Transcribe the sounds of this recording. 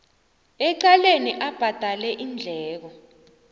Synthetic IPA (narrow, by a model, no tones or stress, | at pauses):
ɛǃaleniʔab̥ʱad̥ʱalɛʔind͡ɮʱɛːk̬ɔ